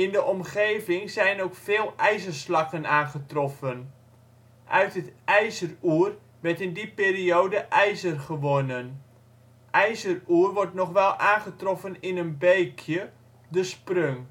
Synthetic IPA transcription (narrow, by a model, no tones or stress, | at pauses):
ɪndəʔɔmχeːvɪŋzɛjnowkfeːlˠɛjzərslɑkənaːnχətrɔfən | ʔœɥtətʔɛjzəruər | ʋɛrtɪndipeːrioːdəʔɛjzərχəʋonən | ʔɛjzəruːrʋɔrtnɔχʋɛlˠaːnχətrɔfənɪnənbejkʰjə | dəsprøŋ